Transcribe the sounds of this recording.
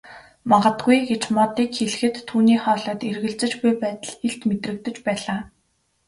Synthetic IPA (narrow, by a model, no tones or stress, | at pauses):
maʁə̆t̪ɡujɡet͡ɕmɔt̪iːkxeɮ̆xɘ̆t̪ʰːuːniːχɔːɮɔːt̪erɣɘ̆ɮt͡sɘ̆t͡ɕɡujpæːt̪ə̆ɮeɮt̪met̪rɘ̆kt̪ɘ̆t͡ɕpæːɮaː